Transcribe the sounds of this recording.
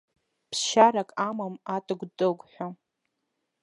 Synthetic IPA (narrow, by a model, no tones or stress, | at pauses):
pʰʃaɾakʼamamatʼɨɡʷdʼɨɡʷʼħʷᶣa